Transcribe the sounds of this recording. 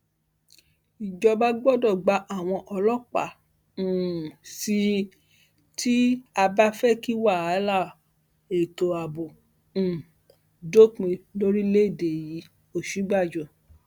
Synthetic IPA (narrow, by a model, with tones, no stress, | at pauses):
i˨d͡ʒɔ˧ba˦ɡ͡bɔ˦dɔ˦˨ɡ͡ba˨˧ʔa˨w̃ɔ̃˧ʔɔ˧lɔ˦k͡pa̰˨ | ũ˨si˧˦ | ti˦a˧ba˦fɛ˦ki˦wa˦˨a˨˦la˦˨ | e˨to˨a˨bõ˨ | do˦kĩ˧lo˦ɾi˦le˦˨de˨ji˨˦ | o˦˨ʃu˨˦ɡ͡ba˦˨d͡ʒɔ˨